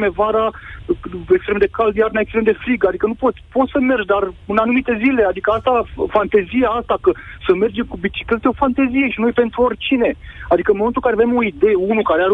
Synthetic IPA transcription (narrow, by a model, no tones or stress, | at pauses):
mevaɾa | ekst̪ɾe̞md̪e̞kald̪ijaɾnaekst̪ɾe̞md̪e̞fɾiɡad̪ikənupot̪sʲpo̞t̪səme̞rd͡ʒd̪arɨnanumit̪e̞zile̞ad̪ikəast̪afant̪ezijaast̪akəsəme̞rd͡ʒemkubit͡ʃi̥kle̞t̪eo̞fant̪ezije̞ʃino̞jpe̞nt̪ɾuo̞rʲt͡ʃine̞ad̪ikəɨnmomet̪ulkaɾeavemo̞id̪e̞jeunukaɾeaɾ